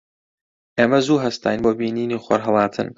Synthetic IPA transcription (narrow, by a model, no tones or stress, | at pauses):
ʔeːmɐzuːɦɐst̪ʰa̰ːjnboːbiːniːniːχʷɐ̰ɾɦɐlˠɑːt̪ʰɨ̰n